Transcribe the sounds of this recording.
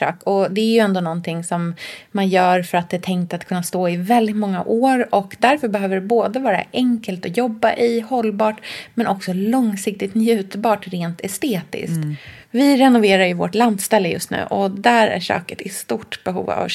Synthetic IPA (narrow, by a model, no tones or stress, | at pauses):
ø̰ːkɔd̪ɛæɾjɵɛnd̪oːnɔnt̪ʰɪŋsɔmːanjœːɾfœɾat̪̚d̪ɛt̪ʰɛŋk̚t̪at̪kʰɵnːast̪oːɪvɛld̪ɪt̪mɔŋːa̰ʔoːɾɔkd̪æɾfœɾbɛɦøːvəɖɛboːd̪əvɑːɾa̰ʔɛŋkəlt̪ɔjɔbːaʔɪhɔlːbɑːʈmɛnʔɔksɔlɔŋsɪk̚t̪ɪt̪njʉ̟ːt̪bɑːʈɾeːnt̪ʰɛst̪eːt̪ɪ̰skt̪vɪɾɛnʊveːɾaɾjɵvo̰ʈland̪st̪ɛlːəjɵ̰st̪nʉ̟̰ːʔɔd̪æɾæ̰ʂø̰ːkə̥t̪ɪst̪uʈb̥ɛɦṵːva̰v